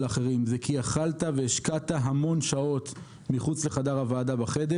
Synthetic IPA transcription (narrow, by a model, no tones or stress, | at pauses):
laχeʁimzekʰiaχalt̪aveːʃkat̪aɦamo̞nʃao̞t̪ | miχut͡sle̞χadaʁavaːd̪abaχed̪e